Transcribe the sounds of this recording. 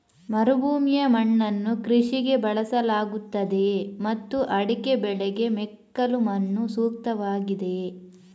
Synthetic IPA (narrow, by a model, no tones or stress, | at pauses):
mɐɾubuːmjɐmɐɳːɐnːukɾiʂiɡe̞bɐɭɐsɐlaːɡut̪ːɐd̪e̞mɐt̪ːuʔɐɽikebɛɭɛɡe̞mekːɐlumɐnːusuːk̚t̪ɐʋaːɡid̪e̞